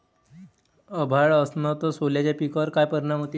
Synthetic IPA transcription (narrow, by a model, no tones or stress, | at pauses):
əbʱaɭəsnət̪ɔsoljat͡ɕjapikəɾkajpəɾɳam̤ət̪i